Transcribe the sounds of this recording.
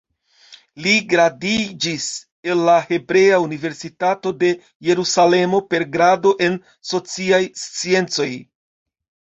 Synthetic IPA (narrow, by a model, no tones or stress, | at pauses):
liɡɾadid͡ʒis | e̞nːahe̞bɾe̞aunive̞ɾsitato̞de̞ | je̞ɾusale̞mo̞pe̞ɾɡɾado̞ʔe̞n | so̞t͡siajst͡sie̞nt͡so̞j